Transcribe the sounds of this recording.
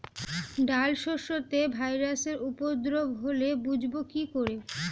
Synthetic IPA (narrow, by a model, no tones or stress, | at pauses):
ɖalʃoʃot̪ebʱajɾaseɾupod̪ɾobɦolebud͡ʑʱbokikoɾe